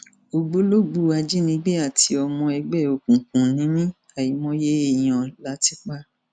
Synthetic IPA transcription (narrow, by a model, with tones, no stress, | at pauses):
o˧ɡ͡bo˦lo˦ɡ͡bu˦a˧d͡ʒi˦nĩ˧˦ɡ͡be˦a˦˨ti˧ɔ˧mɔ̃˧ɛ˧ɡ͡bɛ˦˨o˨kũ˨kũ˨nĩ˨˦mĩ˦ | a˦˨ji˨˦mɔ̃˦je˦e˦˨j̃ã˨la˦ti˦k͡pa˦